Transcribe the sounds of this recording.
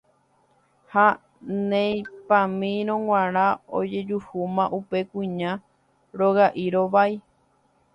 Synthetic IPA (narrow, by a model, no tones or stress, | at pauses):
ha | nẽj̃pãmĩɾ̃õŋwãɾ̃ão̰d͡ʒe̞d͡ʒuhumãʔupe̞kʷĩɲã | ɾoɣaʔiɾo̞ʋai